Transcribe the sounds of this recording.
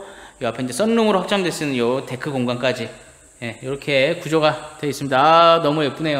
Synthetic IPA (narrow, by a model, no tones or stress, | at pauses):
jʌapʰe̞ind͡ʑe̞s͈ʌnːuŋɯɾohak̚t͡ɕ͈amdwe̞s͈ɯnɯnjʌte̞kʰɯɡoŋɡwank͈ad͡ʑi | je̞jʌɾʌkʰekud͡ʑoɡatwe̞is͈ɯmɲidaːnʌmujep͈une̞jo